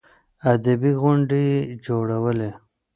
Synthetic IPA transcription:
ad̪abiɣʊɳɖed͡ʒoɽawəle

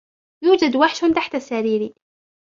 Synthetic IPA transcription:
juːd͡ʒad̪waħʃt̪aħt̪asaɾiːɾiː

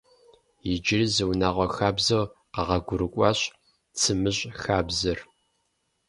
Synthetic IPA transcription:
jɪd͡ʒɪrizɨwnaːʁʷɔxaːbzɐwqɑʁɐɡʷʊɾɨkʷʼɑɕ | t͡sʰɨmɨɕʼxaːbzɐr

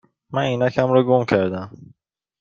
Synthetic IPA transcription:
mæniːnæcʰæmɾɒɡomcʰæɾd̪æm

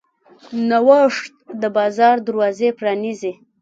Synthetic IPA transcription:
nawaʂt̪d̪əbɑzɑɾd̪aɾwɑzepɾɑnize

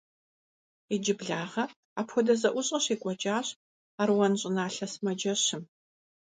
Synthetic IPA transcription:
id͡ʒɪbɮaːʁɐ | aːpʰxʷɔdɐzɐʔʷʊɕʼɐɕeːkʷʼɔt͡ʃʼaːɕ | aːrwɐnɕʼɪnaːɬɐsmɐd͡ʒɐɕɪm

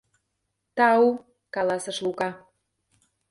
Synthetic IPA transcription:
t̪ɑu | kɑlɑsə̆ʃlukɑ

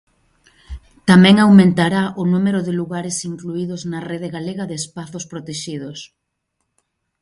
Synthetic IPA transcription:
t̪amɛ̃ŋawmẽnt̪aɾaʔʊnumeɾʊðɪluɣaɾɪsiŋkluiðʊznɐreðɪɣaleɣɐðɪːspaθʊspɾot̪eʃiðʊs

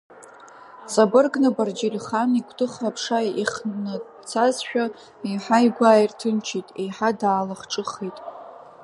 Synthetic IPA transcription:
t͡sʼabɨrɡnɨbard͡ʒirχanikʷʰtʰɨχapʰʂajiχnɨ | t͡sʰazʃᶣa | iħajɡʷaːjirtʰɨnt͡ʃʰitʼejħadaːlaχʈ͡ʂʼɨχejtʼ

